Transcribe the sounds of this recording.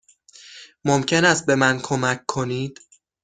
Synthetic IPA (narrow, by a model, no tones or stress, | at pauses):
momcʰe̞næst̪̚be̞mænkʰomæc̚ʰkʰo̞niːd̪̥